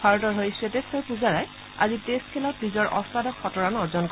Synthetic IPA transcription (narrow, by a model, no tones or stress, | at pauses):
bʱaɹɔtɔɹɦojsetestɔɹpuzaɹaj | a̰zitest̚kʰɛlɔt̚nizɔɹʔɔ̰sadɔkxɔtɔɹanɔɹzɔnk